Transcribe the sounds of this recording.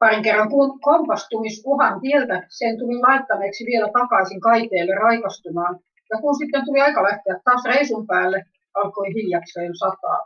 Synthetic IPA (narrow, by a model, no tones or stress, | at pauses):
pɑriŋkerːɑŋkukompɑst̪umisuhɑnt̪ielt̪æsent̪ulilɑet̪ːɑneːksiʋielæt̪ɑkɑisiŋkɑit̪eːlːerrɑikɑst̪umɑːn | jɑkunsit̪ːent̪uliɑikɑlæht̪eæt̪t̪ɑːsreisumpæːlːe | ʔɑlkoihiljɑkseːnsɑt̪ɑ̰ː